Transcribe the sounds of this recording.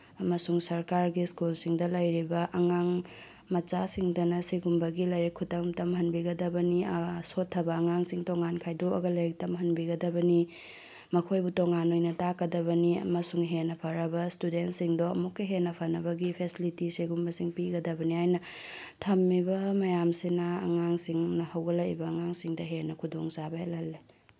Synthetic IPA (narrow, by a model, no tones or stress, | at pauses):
ɐmɐsuŋsɐɾkaɾɡiskulsiŋdɐlɐjɾibɐʔɐŋaŋ | mɐt͡ʃasiŋdɐnɐsiɡumbɐɡilɐjɾikʰːutɐŋtɐmɦɐnbiɡɐdɐbɐnisotʰːɐbɐːŋaŋsiŋtoŋankʰajdoɐɡɐlɐjɾk̚tɐmɦɐnbiɡɐdɐbɐni | mɐkʰojbutoŋanojnɐtakɐdɐbɐniɐ̰mɐsuŋɦenːɐpʰɐɾɐbɐstudentsiŋdoɐmukːɐɦenːɐpʰɐnɐbɐɡipʰesilitisiɡumbɐsiŋpiɡɐdɐbɐnihajnɐ | tʰɐmːibɐmɐjamsinɐ̰ːŋaŋsiŋnɐhɐwɡɐlɐʔbɐːŋaŋsiŋdɐɦenːɐkʰudoŋsabɐelɐlːi